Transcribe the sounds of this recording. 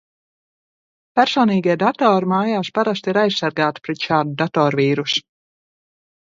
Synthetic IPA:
pæɾsɔːniːɡiɛd̪at̪ɔːɾmaːjaːspaɾast̪iɾajssːaɾɡaːt̪i̥pɾɛt̪ʃaːd̪ud̪at̪ɔːɾviːɾusu̥

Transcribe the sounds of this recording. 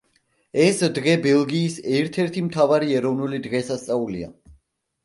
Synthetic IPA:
ɛsd̪ʁɛbɛlˠɡiːsɛɾt̪ʰɛɾt̪ʰimt̪ʰavaɾiɛɾɔvnulid̪ʁɛsast̪sʼaulḭa̰

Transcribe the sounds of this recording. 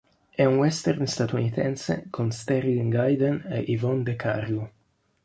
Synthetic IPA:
ɛunwɛst̪ɛrnst̪at̪unit̪ɛnsḛkʰonst̪ɛɾilŋɡajd̪enḛʔivɔnd̪ekʰa̰ɾju

